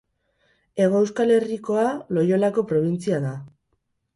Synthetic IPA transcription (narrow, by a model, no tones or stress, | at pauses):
e̞ɣ̞o̞ewskale̞riko̞alo̞jo̞lako̞pɾo̞β̞int͡siaða